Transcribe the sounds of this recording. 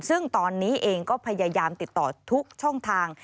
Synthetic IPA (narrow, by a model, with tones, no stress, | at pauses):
sɯ˥˩ŋt̪ɔː˧nːiː˦˥ʔeː˧ŋkɔː˥˩pʰa˧jaː˧jaː˧mt̪i˨˩t̪ːɔː˨˩t̪ʰu˦˥k̚t͡ɕʰɔ˥˩ŋt̪ʰaː˧ŋ